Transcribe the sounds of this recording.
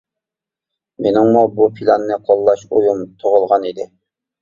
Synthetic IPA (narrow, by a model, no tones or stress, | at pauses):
menɪŋmubupʰilˠɑnːɨqʰɑlˠːɑʃojumt̪ʰoʁəlˠʁɑnid̪ɪ